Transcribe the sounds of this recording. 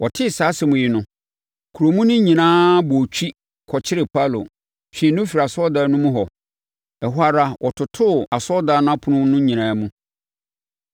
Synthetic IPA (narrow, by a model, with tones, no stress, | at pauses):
wʔɔ˨tʰɪ˦˨saː˨˦sɪ˨mʊ̃˨jɪ˦nʊ̃˦ | kʰu˨ɾo˨mũ˦nʊ̃˦ɲĩ˨nãː˦bɔ˨t͡ɕʰᶣi˦ | kʰɔ˨t͡ɕʰɪ˦ɾɪ˨pʰa˦˨lo̰˨ | ɕᶣĩ˨˦nʊ̃˦fi˨ɾa˨sɔ˦da˨˦nʊ̃˦mũ˦ɦɔ˨ | ɛ˨ɦʊ˦a˦ɾa˦wʔɔ˨tʰʊ˨tʰʊ˦˨a˨sɔ˦daː˨˦nʊ̃˦a˦pʰʊ˨nʊ̃˦nʊ̃˦ɲĩ˨nãː˨˦mũ˦